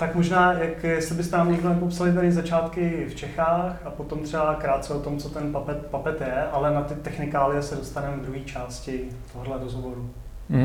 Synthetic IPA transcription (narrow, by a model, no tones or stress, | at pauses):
t̪akmoʒnaːjakjɛst̪lɪbɪst̪ɛnaːmɲɛɡlɛnɛpo̞psalɪt̪̬aɾɪzat͡ʃaːt̪kɪft͡ʃɛxaːxapo̞t̪o̞mt̪r̥ɛbakɾaːt̪̚t͡sɛot̪omt͡sot̪ɛnpapɛt̪papɛt̪jɛʔalɛnat̪ɪt̪ɛxnɪkaːlɪjɛsɛdo̞st̪anɛmd̪ɾuɦiːt͡ʃaːscɪ | t̪oɦolɛɾozɦovo̞ɾu